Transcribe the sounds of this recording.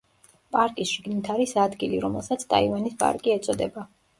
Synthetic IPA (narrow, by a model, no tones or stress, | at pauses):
pʼaɾkʼisʃiɡnit̪ʰaɾisad̪ɡiliɾɔmɛlˠsat̪sʰt̪ʼa̰ivanispʼa̰ɾkʼiɛt̪sʼɔd̪ɛba